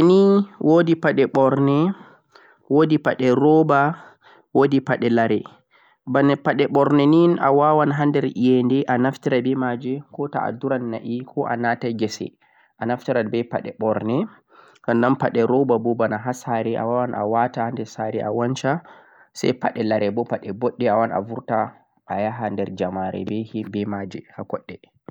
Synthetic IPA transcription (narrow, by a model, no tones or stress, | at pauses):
niwʔodipaɗɛɓɔɾnɛ | wodipaɗɛɾɔba | wodipaɗɛlaɾɛ | banɛpaɗɛɓɔɾnɛnina̰wawanɦandɛɾijɛndɛʔanaftiɾabɛmad͡ʒɛkɔta̰a̰duɾanːaʔikʰɔʔa̰nataɡɛsɛ̰ | ʔanaftiɾabɛpa̰ɗɛɓɔɾnɛ | kandanpaɗɛɾɔbabɔbanaɦasaɾɛʔa̰wawanʔa̰watahandɛsaɾɛʔawant͡ʃa | sa̰jpaɗɛlaɾɛbɔpaɗɛbɔɗːɛawana̰vuɾta | ajaɦandɛɾd͡ʒamaɾɛ̰bɛhibɛmad͡ʒɛhakɔɗːɛ